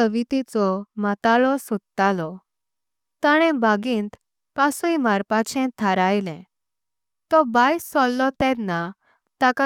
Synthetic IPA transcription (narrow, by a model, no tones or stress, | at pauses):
əʋit̪it͡sɔmat̪alɔsud̪t̪alɔ | t̪aɽ̃ɛ̃baɡĩːnt̪ | pasuimaɾpat͡ɕʰɛ̃t̪ʰaɾajlɛ̃ | t̪ɔbajsɔlːɔt̪ɛ̃d̪nːa | t̪aka